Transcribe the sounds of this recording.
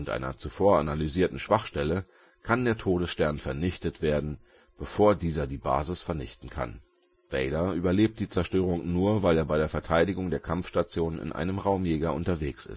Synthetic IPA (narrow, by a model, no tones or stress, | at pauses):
ʔʊntʔa̰ɪnɐ̰t͡sufoːɐa̰nalyziːɐtn̩ʃv̥aχʃtɛlə | kʰandeːɐtʰoːdəsʃtɛɐnfɛɐnɪçtətv̥eːɐdn̩ | b̥əfoːɐdiːzɐdiːba̰ːzɪsfɛɐnɪ̰çtn̩kʰa̰n | v̥ɛɪdɐʔyːbɐleːp̚t̚d̥iːt͡sɛɐʃtøːʁ̞ʊŋnuːɐvaɪleːɐbaɪɾeːɐfɛɐtʰaɪdɪɡʊŋdeːɐkʰamfʃtat͡sjoːnnɪ̰nʔa̰ɪnəmʁaʊmjeːɡɐʔʊntɐveːksɪ̰st